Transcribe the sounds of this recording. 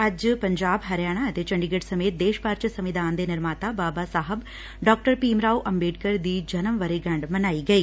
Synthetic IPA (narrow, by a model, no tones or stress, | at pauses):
ɐd͡ʒpɐɲd͡ʒaːbɦɐɾjaːɳ̃aɐt̪et͡ʃɐɳɖiɡɐʈsɐmeːt̪̚d̪eːʃpaːɾt͡ʃɐsɐmʋid̪ʱaːnd̪enɪɾmaːt̪aːbaːbaːsaːɦɐb | ɖɔːk̚ʈəɾpiːmɾaːwʔɐmbeːʈ̚kɐɾd̪iːd͡ʒɐnɐmʋɐɾiɡɐ̃ɳɖmɐnaːiɡɐiː